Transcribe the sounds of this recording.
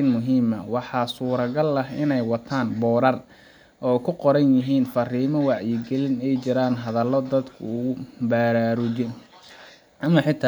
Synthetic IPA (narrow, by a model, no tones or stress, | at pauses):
ɪnmʊɦiːmɐwɑħɑːsuːɾɐɣɐlɐɦɪ̰nɛjwɑt̪ʰaːnbɔːɾɐr | ʔɔːjkʰʊqɔɾɐnjɪɦiːnfɐriːmɔwɑʕjɪɡɛlɪnɛjt͡ʃɪɾaːnɦɐðɐlɔd̪ɐd̪kʰʊ̰ʊʊbaːɾaːɾʊt͡ʃɪn | ʔɐmɐħɪt̪ʰa